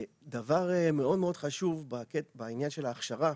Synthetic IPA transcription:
d̪avaʁeme̞o̞d̪meo̞d̪χaʃuvbakebainjanʃelaːχʃaʁa

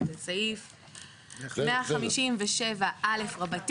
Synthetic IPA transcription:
et͡saif | mmeaχamiʃimveʃevaʔalefʁabat

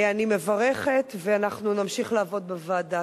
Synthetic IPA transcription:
anime̞vaʁeχetveanaχnunamʃiχlaːvo̞d̚bevaːda

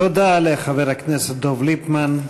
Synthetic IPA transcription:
od̪aleχaveʁhakneset̪̚d̪ovlipman

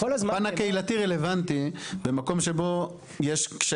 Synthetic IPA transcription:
olazanakeilat̪iʁele̞vant̪ibe̞mako̞mʃe̞bo̞ | jeʃkʃ

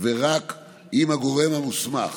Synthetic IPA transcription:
veʁak | imhaɡo̞ʁe̞mhamusma̰χ

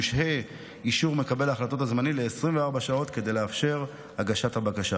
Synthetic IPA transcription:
ʃhe | iʃuʁme̞kabe̞laχlato̞tazmanile̞ːsʁimveaʁbaʃao̞t̪ked̪ejleafʃe̞ʁ | haɡaʃathabakaʃa

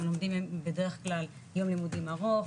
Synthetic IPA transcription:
ulomd̪imembede̞ʁeχklal | jo̞mlimudimaʁo̞v

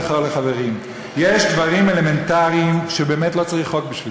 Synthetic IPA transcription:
χoʁleχave̞ʁim | jeʃdvaʁimele̞me̞ntaʁiimʃebe̞ːmetlo̞t͡saʁiχo̞kbiʃvi

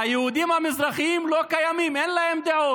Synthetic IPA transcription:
ajɐɦud̪imamɪzɾɐximlokɐjɐmimenlɐemd̪ao

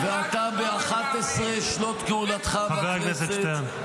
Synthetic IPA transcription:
veat̪abeaχat̪esʁeʃlot̪keulat̪χaaveʁknes̬et͡ʃet̪en

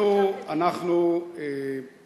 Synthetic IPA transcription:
uanaχnu

